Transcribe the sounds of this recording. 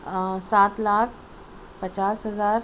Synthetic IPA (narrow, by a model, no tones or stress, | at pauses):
sat̪lak̚ʰ | pət͡ɕaːsɦəzaːɾ